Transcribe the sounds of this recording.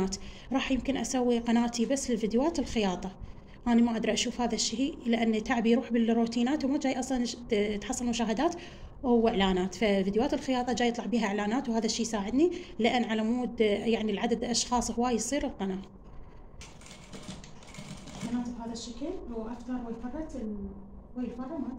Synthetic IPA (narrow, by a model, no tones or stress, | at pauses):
aːt̪ | ɾˤɑːħjɪmkɪnʔasawːiqɑnaːt̪ibasːlɪlfid̪jwaːt̪ɪlxɪjɑːt̪ˤɑ | ʔaːnimaʔad̪ɾɑʔaʃuːfhaːðaʃːilːaʔanːt̪ːaʕbijɾuːħbɪlrːuːt̪iːnaːt̪wmad͡ʒaːjʔɑsˤlɑnt̪ħɑsˤːɑlmʊʃaːɦɪd̪aːt̪ | whʊwːɪʕlaːnaːt̪favid̪jwaːt̪ɪlxɪjɑːt̪ˤɑd͡ʒaːjɨt̪ˤlɑʕbiːɦaʔɪʕlaːnaːt̪whaːðaʃːiːjsaːʕɪd̪nilɪʔanːʕalamuːd̪jaʕnilʕad̪ad̪lʔɑʃxɑːsˤhʊwaːjsˤiːɾɪlqɑnaːʔ | mɑnaːt̪ˤɨbhaːðaʃːakɪlwʔaft̪ɑɾˤwɪfɑrˤːɑt̪ | ʃwajlfɑrˤːɑma